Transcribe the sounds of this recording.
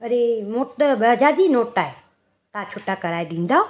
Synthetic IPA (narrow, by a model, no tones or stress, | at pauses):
ɐɾemoːʈbɐd͡ʑaːd̪inoːʈaːɦe | t̪ãt͡ʃʰoːʈakɐɾaːeɗĩːnd̪aːo